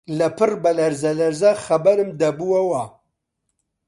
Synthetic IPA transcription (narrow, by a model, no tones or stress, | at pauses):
lɐpʰɨrbɐlɐɾzɐlɐɾzaxɐbɐɾɨmd̪ɐbuwɐwɐ